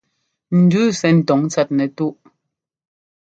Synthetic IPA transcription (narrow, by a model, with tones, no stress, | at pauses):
n̩˨dʉː˦sɛ˨n̩˨tɔ˨˦ŋt͡sa˦t̚nɛ˨tu˦ʔ